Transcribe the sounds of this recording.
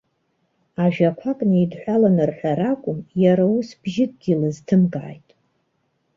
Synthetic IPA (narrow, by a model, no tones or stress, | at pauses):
aʒᶣakʷʰakʼniidħʷalanɨrħʷaɾakʷʼʊmjaɾausb̥ʒɪt̚ʼɡʲilɨztʰɨmɡaʕːjtʼ